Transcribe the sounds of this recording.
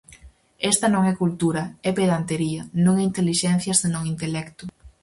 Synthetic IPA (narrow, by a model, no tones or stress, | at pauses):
est̪ɐnõŋɛkult̪uɾɐɛpeðant̪eɾiɐnõŋɛint̪eliʃɛn̟θjɐsenõŋint̪elɛkt̪ʊ